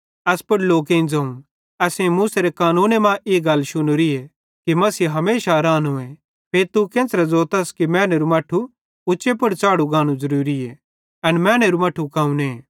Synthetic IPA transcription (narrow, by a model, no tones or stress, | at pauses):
ɐspʊɽloːk̬ẽĩnd͡zɐːũ | ɛsẽmuːseɾekaːnuːnemãːʔeːɡɐlːʃʊnʊɾie | kimɐsiːɦɐmeːʃaɾaːnɦoẽ | pʰeːɾt̪ukẽːsɾɛd͡zoːt̪ɐskimɛ̃ːneɾumɐʈʰːu | ʊt͡ʃepʊɽt͡saːɽuɡãːnũzɐɾuːɾie | ɐnmɛ̃ːneɾumɐʈʰːukaːũnẽː